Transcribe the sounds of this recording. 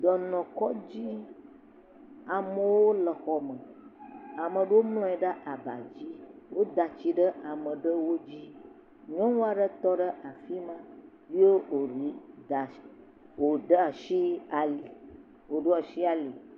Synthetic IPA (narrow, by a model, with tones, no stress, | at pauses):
d̪ɔ˨nɔ̃˨kɔ˦d͡ʑi˦ | a˨mə˨wo˦lə˨xɔ˨mə̃˨ | a˨mə̃˨ɖə˦wo˦mlɔ̃˦ɛ˨ɖa˦ʔa˨ba̰˨d͡ʑi˦wo˦d̪a˨t͡ɕi˨ɖə˦ʔa˨mə̃˨ɖə˦wo˦d͡ʑi˦ | ɲɔ̃˦wo˦a˨ɖə˦t̪ɔ˦ɖə˦ʔa˨fi˦mã˦ | vi˦e˦o˨ɾi˨a˨ | wo˨ɖə˦a˨ʃi˦a˨li˨ | wo˨ɖo˦a˨ʃi˦a˨li˨